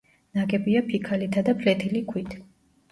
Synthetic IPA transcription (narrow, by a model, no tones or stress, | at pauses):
naɡʼɛbiapʰikʰalit̪ʰad̪apʰlɛt̪ʰilikʰwit̪ʰ